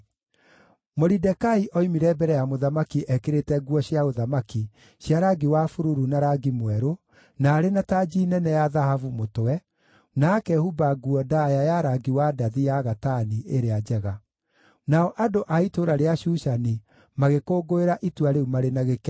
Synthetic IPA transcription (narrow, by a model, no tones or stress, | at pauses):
moɾidɛkaiʔɔimiɾɛbɛɾɛjamoðamakiʔɛkeɾetɛɡuɔɕjaoðamaki | ɕjaɾaɡiwafuɾuɾunaɾaɡimwɛɾo | naːɾenatad͡ʒiːnɛnɛjaðahavumotɛ | naːkɛhubaɡuɔdajajaɾaɡiwadaðijaɣataniʔeɾead͡ʒɛɣa | naɔʔadoʔaitoɾaɾeaʃuʃani | maɣekoːɡoeɾaʔitwaɾeumaɾenaɣekɛ